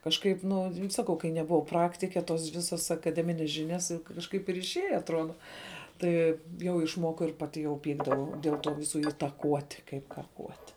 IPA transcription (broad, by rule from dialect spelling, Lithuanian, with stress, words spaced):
kɐʃˈkɐɪp ˈnʊ ˈsɑːkɐʊ kɐɪ nʲɛbʊˈʋɐʊ ˈprɑːktʲɪkʲɛ toːs ˈʋʲɪsoːs ɐkɐˈdʲæːmʲɪnʲɛs ˈʒʲɪnʲɛs jʊk kɐʃˈkɐɪp ɪr ɪʃʲˈeːjɛ ɐtˈruɔdɐ ˈtɐɪ jɛʊ ɪʃˈmoːkɐʊ ɪr ˈpɑːˌtʲɪ jɛʊ ˈpʲiːɡdɐʋɐʊ dʲeːlˠ ˈtuː ˈʋʲɪsʊ ɪtɐˈkuɔtʲɪ kɐɪp kɐˈkuɔtʲɪ